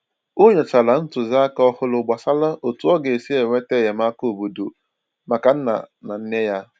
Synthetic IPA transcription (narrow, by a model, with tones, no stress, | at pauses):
o˦ɲe˨t͡ʃa˨la˨n̩˦tʊ˨za˦kɔ˦hʊ˦lʊ˨ɡ͡ba˨sa˦la˦ʔo˨tu˦ɔ˦ɡe˨si˦e˨ŋʷe˦te˦˨ɦe˨m˦a˦ko˦˨bu˨do˨ | ma˨ka˨n̩˦na̰˨na˨n̩˦ne˦ja˦